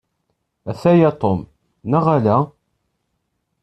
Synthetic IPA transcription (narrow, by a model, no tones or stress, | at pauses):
æθæjæt̪ˤom | næʁalæ